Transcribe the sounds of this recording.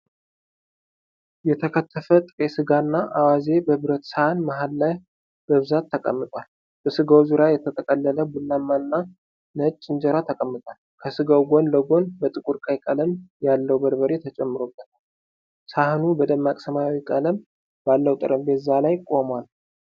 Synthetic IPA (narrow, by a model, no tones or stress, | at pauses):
jɛt̪ʰəkʰət̪ʰːəfət̪ʼɨɾʼesɨɡanːaʔawaze̞bəβɨɾət̪sahɨnmaɦalːaj | b̥əβɨzat̪ʰːəkʼə̰mːɨt̪ʼwal | b̥əsɨɡawzuɾajɛt̪ʰət̪ʰəkʼəlːələbɨlːamːaɨnːa | nət͡ʃʼːɪnd͡ʒəɾat̪ʰəkʼəmːɨt̪ʼwal | kʰəsɨɡawɡo̞nləɡo̞nbət̪ʼɨkʼuɾkʼajkʼələmjalːəwbəɾbəɾet̪ʰət͡ʃʼɛmːɨɾo̞bːət̪ʰal | sahnubəd̪əmːakʼsəmajawikʼələm | b̥alːəwt̪ʼɨ̰ɾʔəmbet̪zalajkʼo̞mwal